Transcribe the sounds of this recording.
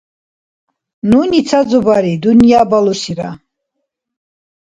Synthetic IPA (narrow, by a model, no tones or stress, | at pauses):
nunit͡sʰad͡zɔbaɾid̪unjabalusiɾa̰